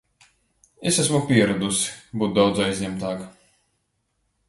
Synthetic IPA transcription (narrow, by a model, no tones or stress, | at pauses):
esæs̬mupʲiɛɾad̪usi̥buːt̪̚d̪awd̪zajzʲɲʲɛmt̪aːk